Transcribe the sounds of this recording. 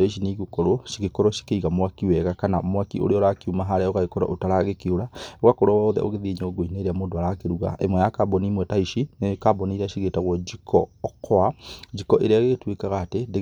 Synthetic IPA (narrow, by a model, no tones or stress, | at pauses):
eʃ̬iniiɣokɔɾoʃiɣekɔɾɔʃi̥keiɣamwakiwɛɣakana̰mwakio̰ɾeɔɾakiumaɦaɾɛɔɣaɣekɔɾa̰ʔotaɾaɣekeoɾawakoɾɔwaːðɛ̰ʔo̰ɣeðiɲooɡoineɾeamodoaɾakeɾuɣa̰ʔḛmwɛjakabɔnimwɛtaiʃinekabɔniɾaʃiɣetaɣwɔd͡ʒikʰɔːkʰɔad͡ʒikɔʔeɾeaɣeɣtwekaɣaːtede